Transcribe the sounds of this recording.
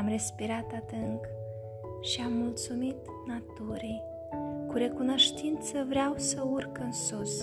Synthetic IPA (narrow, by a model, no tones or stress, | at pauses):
mre̞spiɾat̪ad̪ɨŋk | ʃiamːult̪sumit̪ | nat̪uɾij | kuɾe̞kuno̞ʃt̪int̪səvɾeawsəurkɨnsus